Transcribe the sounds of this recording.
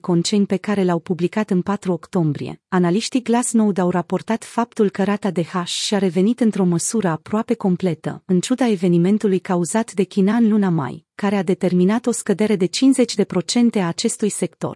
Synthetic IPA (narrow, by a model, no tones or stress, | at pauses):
ko̞nt͡ʃe̞jnpe̞kaɾe̞lawpublikat̪ɨnpat̪ɾuo̞kt̪o̞mbɾḭe̞̰analiʃt̪iɡlasno̞wd̪awrapo̞rt̪at̪fap̚t̪ulkəɾat̪ad̪e̞haʃʃiaɾe̞ve̞nit̪ɨnt̪ɾo̞məsuɾəapɾoape̞ko̞mple̞t̪ə̰ɨnt͡ʃud̪ae̞ve̞nime̞nt̪ulujkauzat̪d̪e̞kʲinaɨnlunama̰jkaɾe̞ad̪e̞t̪e̞rminat̪o̞skəd̪e̞ɾe̞d̪e̞t͡ʃinze̞t͡ʃʲd̪e̞pɾo̞t͡ʃe̞nt̪e̞aːt͡ʃe̞st̪ujse̞kt̪o̞̰r